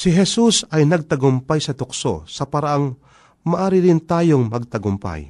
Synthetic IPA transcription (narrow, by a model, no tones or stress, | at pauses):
sɪɦɛsusɐjnɐɡ̚t̪ɐɡʊmpajsɐt̪ʊkso̰sɐpɐɾaʔaŋ | mɐʔaːɾɪɾɪnt̪aːjoŋmɐɡ̚t̪ɐɡʊmpa̰j